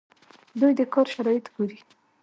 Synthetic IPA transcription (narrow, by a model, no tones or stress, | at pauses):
d̪ujd̪əkɑɾʃaɾɑjɪt̪ɡoɾi